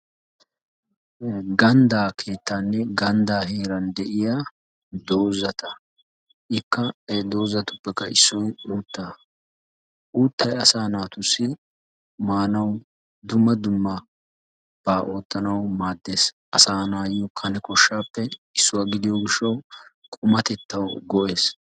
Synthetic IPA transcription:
ɡɐnd̪aːkʰe̞ːt̪ːaːnːɛɡɐnd̪aːɦe̞ːɾɐnd̪ɛʔɪja | d̪o̞ːzːɐt̪ɐ | ʔɪkːɐd̪o̞ːzːɐt̪ʊpːɛkːɐɪsːɔjuːt̪ːaː | ʔuːt̪ːɐjɐsaːnaːt̪ʊsːɪ | maːnɐw | d̪ʊmːɐd̪ʊmːɐ | b̥aːʔo̞ːt̪ːɐnɐwmaːd̪ːeːsʔɐsaːnaːjɔkʰɐnɛkɔʃːaːpːɛɪsːʊwaːɡɪd̪ɪjoːɡɪʃːɐw | kʼʊmɐt̪ɛt̪ːɐwɡɔʔe̞ːs

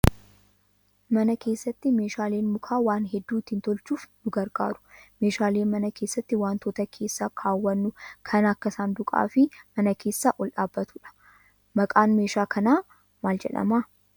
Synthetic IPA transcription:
mɐnɐke̞ːsːɐt̪ːɪme̞ːʃaːleːnmʊkʰaːwaːnɦɛd̪ːuːt̪ːɪnt̪ɔlt͡ʃuːfnʊɡɐɾɡa̰ːɾʊ̥me̞ːʃaːle̞ːnmɐnɐkʰe̞ːsːɐt̪ːɪwaːnt̪oːt̪ɐkʰe̞ːsːakʰaːwːɐnːʊkʰɐnɐkːɐsaːnd̪ʊkʼa̰ːfɪmɐnɐkʰe̞ːsːaːʔɔlʔaːbːɐt̪uᶑɐ̥ | mɐkʼaːnmeːʃaːkʰɐnaː | maːld͡ʒɛ̰ᶑɐ̰maː

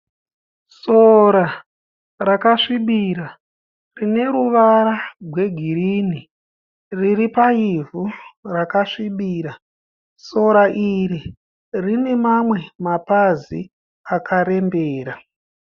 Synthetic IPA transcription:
soɾa | rakaʂiɓiɾa | rine̞ɾuʋaɾaɡʱwe̞ɡʱiɾini | riripaivurakaʂiɓiːɾa | so̞ɾaʔiɾi | rine̞mamwe̞mapazi | akʰaɾe̞mbeːɾa

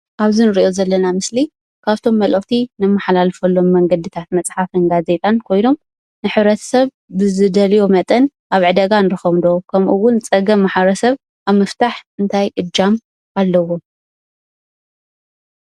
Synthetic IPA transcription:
ʔaβzinɨɾiʔo̞zɐlːɐnamɨsli | kʰaβt̪ʰo̞mːɐlʔɐɣt̪ʰinɨmːaħalalfɐlːo̞mːɐŋɡɐd̪ɨt̪ʰat̪̚mɐt͡sʼħafɨnɡaze̞t̪ʼankʰo̞jno̞m | nɨħɨβɾɐt̪ʰɐ̥sɐβ | bɨzɨd̪ɐlijo̞mɐt̪ʼɐn | ʔaβʕɨd̪ɐɡanɨɾɨxɐmd̪okʰɐmʔuwʊnt͡sʼɐɡɐmːaħβɐɾɐsɐβ | ʔaβmɐft̪ʰaħɨnt̪ʰajʔɨd͡ʒam | ʔalːɐwo̞

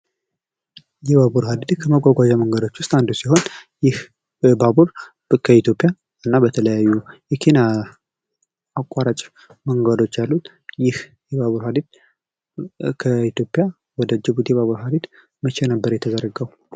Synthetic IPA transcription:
jɛβaβuɾɦad̪id̪kʰəməɡʷaɡʷad͡ʒaməŋɡəd̪o̞t͡ʃːwʊst̪ʼand̪usiɦo̞njɪh | babuɾ | kʰəit̪jo̞pʼja | ɨnːabət̪ʰələjajːujɛkʰena | kʼaɾat͡ʃʼ | məŋɡad̪o̞t͡ʃːjalːut̪ | jɪh | jɛbaβuɾhad̪id̪̚ | kʰəit̪jo̞pʼja | wɔd̪əd͡ʒɪbut̪jɛβaβuɾɦad̪id̪ | mət͡ʃʰɛnəbːəɾjɛt̪ʰəd̪əɾːəɡəw

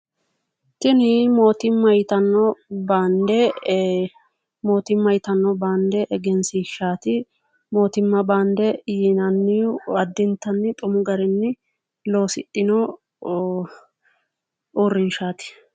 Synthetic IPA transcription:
t̪ɪnɪmo̞ːt̪ɪmːɐjt̪ɐnːɔbaːnd̪ɛ | mo̞ːt̪ɪmːɐjt̪ɐnːɔbaːnd̪ɛʔɛɡɛnsɪʃaːt̪ɪ | mo̞ːt̪ɪmːɐbaːnd̪ɛjinɐnːɪɐd̪ːɪnt̪ːɐnːɪt̪ʼʊmʊɡɐɾɪnːɪ | lo̞ːsɪ̰t̪ʼːɪnɔ | urːɪnʃaːt̪ɪ̥

